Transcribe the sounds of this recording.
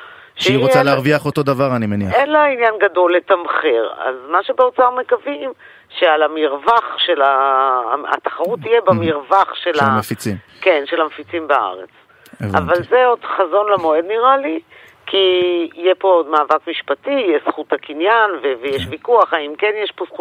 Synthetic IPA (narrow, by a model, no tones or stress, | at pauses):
ʃeiʁot͡saleaʁviaχoto̞d̪avaʁanimenienlainjanɡado̞lːetamχeʁa̰zmaʃebeot͡saʁme̞kavim | ʃealamiʁvaχʃe̞la | a̰t̪ḁχaʁutijebamiʁvaχʃelamafit͡sim | ke̞nʃe̞lamafit͡simbea̰ʁet͡s | a̰valzeodχazo̞nlamo̞e̞d̪niʁali | kʰijepo̞odmaːvakmiʃpatijesχuthakinjanvevejeʃvikuaχaimke̞njeʃposu